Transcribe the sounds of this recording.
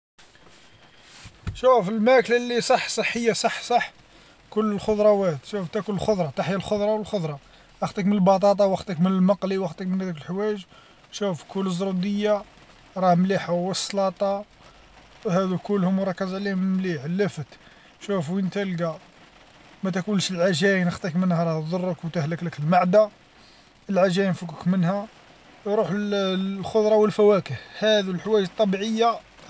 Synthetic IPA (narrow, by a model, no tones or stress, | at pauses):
ʃufəlmæklalːisˤɑħːsˤɑħːəjːasˤɑħːsˤɑħ | kʊlːəlxod̪ˤɾˤɑwæt̪ʃuft̪ækʊləlxʊd̪ˤɾˤɑt̪aħjalxod̪ˤɾˤɑwəlxod̪ˤɾˤɑ | ʔɑxt̪ˤəkmənəlbɑt̪ˤɑt̪̬ˤɑwɑxt̪əkmənəlmɑqliwɑxt̪ˤəkmənhæd̪ikəlħwæʒ | ʃufkʰʊlːəzɾˤud̪əjːa | ɾˤɑhmliħawəsˤːlɑt̪ˤɑ | hæd̪ukʊlːhʊmːɾˤɑkːəzʕlihmmliħlːəfət̪ | ʃufwənt̪ælɡa | mæt̪ækuəlʃəlʕaʒæjnəxt̪ˤikmənhæɾˤɑht̪d̪ˤʊrˤːəkwt̪əhləkləkəlmaʕd̪a | əlʕaʒæjəmfukəkmənhæ | ɾˤuħlxʊd̪ɾˤɑwəlfæwækəhhæd̪ilħwæʒt̪ˤːɑbiʕəjːa